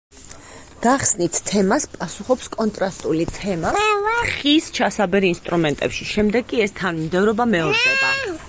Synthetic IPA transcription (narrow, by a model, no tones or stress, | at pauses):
ɡ̥aχsnit̪ʰt̪ʰːɛmaspʼasuχɔpskʼɔnt̪ʼɾast̪ʼulit̪ʰɛmaχist͡ʃʰasabɛɾinst̪ʼɾumɛnt̪ʼɛpʃiʃɛmd̪ɛɡkʼiɛst̪ʰanmmd̪ɛvɾɔbamɛɔɾd̪ɛb̪a